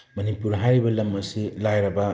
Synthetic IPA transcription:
mɐnipuɾɦajɾibɐlɐmɐsilajɾɐbɐ

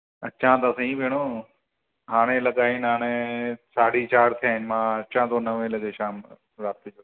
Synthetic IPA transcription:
ɐʃʰãːt̪ɐsɐ̃ɦĩːpeːɽ̃oː | ɦaːɽ̃ẽːlɐɠaːɪnɦaːɽ̃eːsaːɽiːt͡ʃaːɾt̪ʰijaːɦɪnɪmãːɐt͡ʃʰãːt̪oːnɐʋẽːlɐɠeːʃaːm | ɾaːt̪ːid͡ʒo

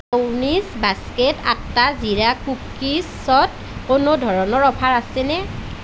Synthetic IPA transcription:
awnisbaskɛta̰tːaziɹakukːis | ɔt | konodʱɔɹɔnɔɹɔpʰaɹasɛnɛ

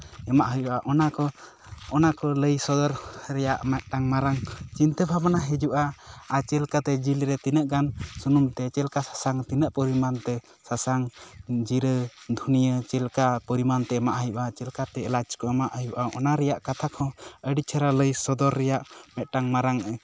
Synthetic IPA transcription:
ɛmaʔɦəjuʔaʔɔnakɔ | ɔnakɔləjsɔd̪ɔɾɾɛjaʔmɛt̪̚ʈaŋmaɾaŋt͡ʃint̪ɛbʱabanaɦɛd͡ʒuʔaat͡ʃɛlkat̪ɛd͡ʒilɾɛt̪inəʔɡansunumt̪ɛt͡ʃɛlkasḁsaŋt̪inəʔpɔɾimant̪ɛ | sasaŋd͡ʒiɾəd̪ʱunijət͡ʃɛlkapəɾimant̪ɛɛmaʔɦəjuʔat͡ʃɛlkat̪ɛːlad͡ʒkɔɛmaʔhəjuʔaʔɔnaɾɛjaʔkat̪ʰakʰɔ̃əɖit͡ʃʰaɾaləjsɔd̪ɔɾːɛjaʔmɛt̪̚ˀʈaŋmaɾaŋɛ

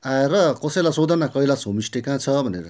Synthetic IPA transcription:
aeɾʌkʌsʌjlasod̪ʌnakʌilasʰomisʈekãt͡sʰʌbʱʌneɾʌ

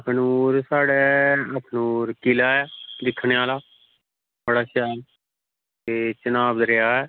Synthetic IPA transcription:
əkʰnuːɾsaːɽɛːəkʰnuːɾkɪlaːɛːd̪ɪkʰːɳeːaːlaː | bəɽaːʃɛːl | t̪eːt͡ʃənaːb̪ɾeaːɛː

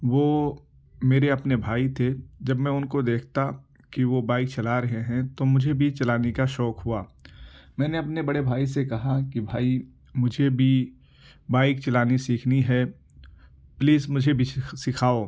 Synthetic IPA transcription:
ʋoː | meːɾeɐpnebʱaːit̪ʰed͡ʒɐbmɛ̃ʊnkod̪eːkʰt̪a | kiʋobaːɪk̚t͡ʃɐlaɾɐɦeɦɛ̃t̪omʊd͡ʒʱebʱit͡ʃɐlaːnekaʃɔːkɦʊaːmɛ̃ːneɐpnebɐɽebʱaːisekɐɦakibʱaːi | mʊd͡ʒʱebʱi | baːɪk̚t͡ʃɐlaːnisiːkʰniɦɛ | pliːzmʊd͡ʒʱebʱisɪkʰaːoː

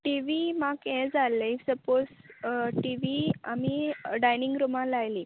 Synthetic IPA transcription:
ʈiʋimakɛ̃d͡zaleisəpod͡zʈiʋiamiɖajniŋɡɾumãlajli

